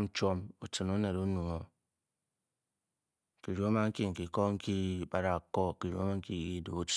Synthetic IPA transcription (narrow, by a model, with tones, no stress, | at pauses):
t͡ʃɔ˦mu˦tɨ˨nu˦ne˨ɾu˦nu˨ŋo˦ | ki˨ɾo˨˦a˦ma˦ŋ̩˦ki˦ŋ̩˨ki˨kɔ˦ŋ̩˦ki˦ba˦ɾa˨kɔ˦ki˨ɾu˨˦a˦a˦ŋ̩˦ki˦˨ki˦do˨˦t